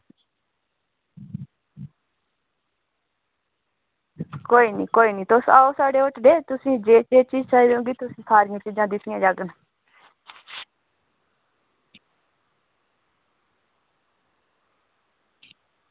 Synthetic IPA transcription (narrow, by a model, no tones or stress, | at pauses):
koːiːniːkoːiːniːt̪ʊsaːoːsaːɖeːoʈɖeːt̪ʊsĩːd͡ʒeːt͡ʃeːt͡ʃiːd͡ʒt͡ʃaːiɾõːɡiːt̪ʊsĩːsʰaːɾɪjãːt͡ʃid͡ʒãːd̪ɪt̪ʰɪjãːd͡ʒaːɡən